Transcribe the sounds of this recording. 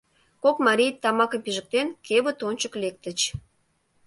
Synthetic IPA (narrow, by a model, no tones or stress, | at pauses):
kokmɑɾʲijt̪ɑmɑkə̆mpiʒək̚t̪enkeβə̆t̪ont͡ɕəklek̚t̪ə̆t͡ɕ